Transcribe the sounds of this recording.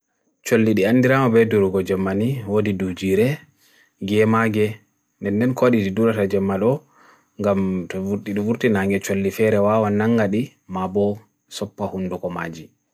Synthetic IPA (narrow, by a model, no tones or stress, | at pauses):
t͡ʃolːiɗianːdiɾamabɛduɾuɡɔd͡ʒɛmːaniwodidud͡ʒiɾɛ | ɡɛmaɡɛ | ndɛndɛnkoɗididuɾatad͡ʒɛmːaɗɔ | ŋɡamtɔvuɾɗiɗivuɾtinaŋɡɛt͡ʃolːifɛɾɛwawanːaŋɡaɗi | mabɔ | sɔpːahundukɔma̰d͡ʒi